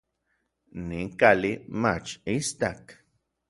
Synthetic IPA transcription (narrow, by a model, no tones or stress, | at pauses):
niŋkalimat͡ʃist̪ak